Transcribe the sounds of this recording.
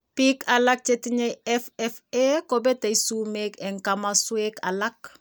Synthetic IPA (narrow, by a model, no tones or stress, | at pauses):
pikalak̚t͡ʃetiɲejɛfɛfekobeteisumekeŋkamasweka̰lak̚